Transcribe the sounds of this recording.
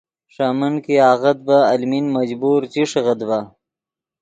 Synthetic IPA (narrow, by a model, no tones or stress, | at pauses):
ʂamənkiɑːɣəd̪̚baːlminmad͡ʑbuɾt͡ɕiʂɣəd̪ba